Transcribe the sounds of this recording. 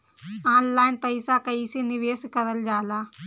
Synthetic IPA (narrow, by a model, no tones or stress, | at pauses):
aːnlaːjnpɐjsakɐisiniʋeːskɐɾɐld͡ʒaːlaː